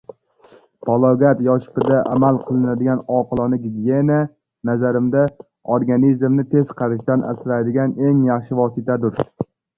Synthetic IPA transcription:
pʰɒlˠoɡat̪jɒʃɪ̥pɪd̪aʔamalˠqʰɨlˠɪnad̪ɪɡʲanɒqʰɨlˠɒnɪɡʲiɡʲije̞na | nazaɾɪmd̪a | oɾɡanizmnɪt̪ʰe̞z̥qʰɑɾɪʃt̪anʔa̰sɪɾajd̪ɪɡʲane̞ŋjɑχʃɪvɒsɪt̪ʰad̪ʊɾ

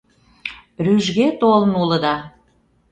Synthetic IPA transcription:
ryʒɣet̪olmulə̆d̪ɑ

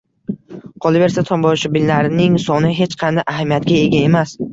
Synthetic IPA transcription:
qʰɒlˠɪve̞ɾsat̪ʰɒmbɒʃɪbɪlːlaɾɪnɪŋsɒnɪɦe̞t͡ʃqʰɑnd̪ajʔaɦamijat̪ɡʲae̞ɡʲae̞mas

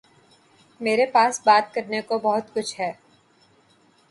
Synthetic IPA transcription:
meːɾepaːsbaːt̪̚kɐɾnekobɐɦʊt̪kʊt͡ʃʰɦɛː

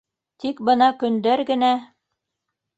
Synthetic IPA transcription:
t̪ikbɤnɑkɵ̆nd̪æɾɡɘ̆næ

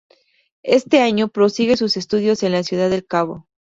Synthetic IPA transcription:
e̞st̪e̞aɲo̞pɾo̞siɣe̞suse̞st̪uð̞jo̞se̞nlasjuð̞aðe̞lkaβo̞̰

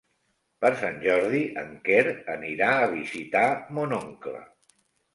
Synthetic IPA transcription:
pəɾsanʲʒɔɾðiʔəŋkeɾəniɾaəβ̞izit̪amonoŋklə̰

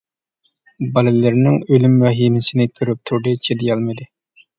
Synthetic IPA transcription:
bɑlɪlɪɾnɪŋølymwɛɦimɪsɪnɪkʲʰøɾyp̚t̪ʰuɾd̪ɨt͡ʃʰed̪ɪjɑlˠmɨd̪ɨ

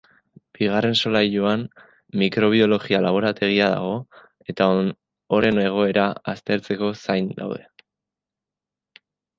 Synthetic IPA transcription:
b̥iɣ̞are̞nso̞lajʎoam | mikɾo̞β̞io̞lo̞ɣialaβ̞o̞ɾat̪e̞ɣ̞iaða̰ɣ̞o̞ | e̞t̪ao | oɾe̞ne̞ɣ̞o̞e̞ɾaast̪e̞ɾt͡se̞ko̞sajnd̪a̰wðe̞

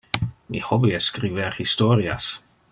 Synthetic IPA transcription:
mḭhɔbiəskɾivɛɾhistɔːɾia̰s

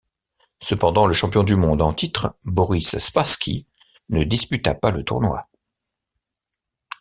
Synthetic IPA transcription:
səpɑ̃d̪ɑ̃ləʃɑ̃pjɔ̃d̪ymɔ̃d̪ɑ̃t̪it̪χbɔʁisspaskʲʰḭ | nəd̪ispyt̪apalət̪uʁnwa̰

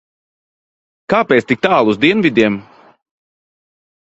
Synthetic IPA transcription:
kaːpʲeɛːt̪st̪ik̚t̪aːlˠuzd̪iɛnvʲid̪ʲiɛm

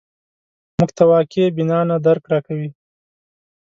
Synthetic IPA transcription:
mʊɡt̪awɑkebɪnɑnad̪aɾkɾɑkawi

